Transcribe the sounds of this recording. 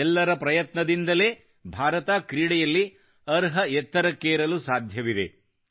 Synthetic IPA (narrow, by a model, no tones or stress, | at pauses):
ɛlːɐɾɐpɾɐjɐt̪nɐd̪ind̪ɐle̞ː | bʱaːɾɐt̪aːkɾiːɽɛjɐlːi | ɐɾɦɐɛt̪ːɐɾɐkːeːɾɐlusaːd̪ʱjɐʋid̪ḛ